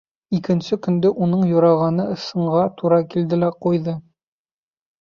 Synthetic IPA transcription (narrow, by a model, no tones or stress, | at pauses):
ikɘ̆nsɘkɵ̆nd̪ɘʔunɤɴjuɾɑʁɑnɤɤ̆sɤ̆ɴʁɑt̪uɾɑkild̪ɘlæqujðɤ